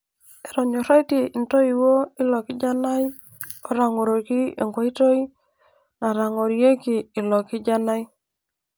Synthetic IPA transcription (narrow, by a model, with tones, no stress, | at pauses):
e˨ɾɔ˨ɲo˨ɾɔ˦i˦te˨i˨nto˦i˨wo˦i˦lɔ˨kɪ˦d͡ʒa˦na˦j | o˦ɾa˨ŋo˨ɾo˨ki˦ḛ˨ŋɡwa˦i˦to˦i˦ | na˨ɾa˨ŋo˨ɾje˦kiː˨lɔ˨kɪ˦d͡ʒa˦na˦j